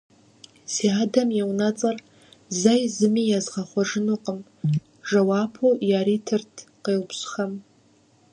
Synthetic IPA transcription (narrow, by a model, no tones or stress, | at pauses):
ziadamewnat͡sʼar | zajzɨmijazʁaχʷaʐɨnuqʼəm | ʐawapʰojaɾitʰɨrtʰqeːlpɕχam